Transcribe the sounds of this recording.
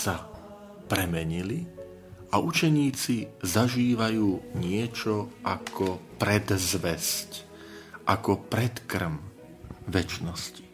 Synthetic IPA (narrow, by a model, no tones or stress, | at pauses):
sa | pɾɛmɛɲili | aut͡ʃɛɲiːt͡sizaʒiːʋajuːɲɪɛt͡ʃɔʔakʰɔpɾɛd̪zʋɛsc | ʔakɔpɾɛt̪kr̩m | ʋɛt͡ʃnɔsci̥